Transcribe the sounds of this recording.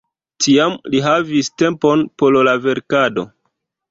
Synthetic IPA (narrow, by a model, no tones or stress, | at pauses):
tiamliɦaviste̞mpo̞npo̞llave̞ɾkado̞̰